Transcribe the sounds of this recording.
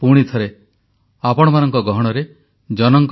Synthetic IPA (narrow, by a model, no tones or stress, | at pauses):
puɽ̃it̪ʰɔɾe | apɔɽ̃ɔmanɔŋkɔɡɔɦɔɽ̃ɔɾe | d͡ʒɔnɔŋk